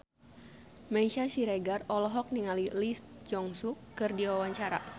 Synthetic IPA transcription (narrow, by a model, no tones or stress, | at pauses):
maiʃasiɾɛɡarɔlɔɦɔk̚niŋalilis | d͡ʒɔŋsukːɨrdiwawaɲt͡ʃaɾa̰